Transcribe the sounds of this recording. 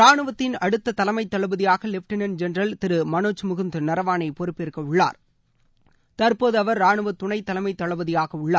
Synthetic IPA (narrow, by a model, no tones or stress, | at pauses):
ɾaːɳɯʋɐt̪ːɪnɐɽɯt̪ːɐt̪ɐlɐmɐɪt̪ːɐɭɐʋɯðɪjaːɣɐlɪfʈɪnɐnd͡ʒɛnrɐlt̪ɪɾɯmɐnoːt͡ʃːɯmʊɣɯnd̪ɯnɐɾɐʋaːnɐɪpɔɾɯpːɪɾɯkːɐʊɭːa̰ːɾ | t̪ɐɾpoːðɯɐʋɐɾːaːɳɯʋɐt̪ːʊɳɐɪt̪ːɐlɐmɐɪt̪ːɐɭɐʋɯðɪjaːɣɐʊɭːaː